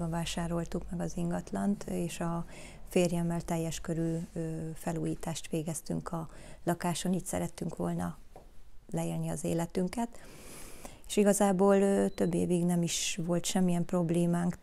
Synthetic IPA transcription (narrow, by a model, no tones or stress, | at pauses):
bɒɱvaːʃaːɾo̞lt̪ukmɛɡɒziŋɡɒt̪lɒnt̪eːʃɒ | feːrjɛmːɛlt̪ɛjːɛʃkøɾyːøfɛluːjiːt̪aːʃt̪ʋeːɡɛst̪y̰ŋkʰɒlɒkaːʃo̞niːcʲsɛ̰ɾɛt̪ːyŋkʋo̞̰lnɒ | lɛeːlniɒzḛːlɛt̪yŋkɛt̪ | eːʃiɡɒzaːboːlt̪ø̞bːḛːviɡnɛmiʃʋo̞lt̪ʃɛmːijɛmpro̞bleːmaːŋk